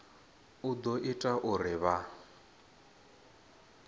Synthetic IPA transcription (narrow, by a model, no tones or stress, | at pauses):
ud̪ɔʔitʼaʔurɪβa